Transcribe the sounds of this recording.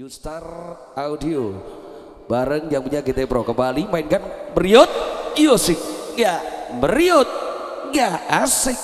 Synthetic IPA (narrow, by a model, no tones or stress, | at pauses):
just̪ar | audio | baɾəŋjaŋpuɲakit̪epɾokəmbalimaɪnkanməɾiɔt̪̚iosɪk̚ŋɡaʔməɾiot̪̚ | ŋɡaʔasɪk̚